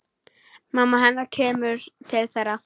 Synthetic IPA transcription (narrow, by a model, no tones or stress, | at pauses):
maːmːaɦɛnːaɾcʰɛːmʏɾ̥t̪ʰɪlθɛjɾːa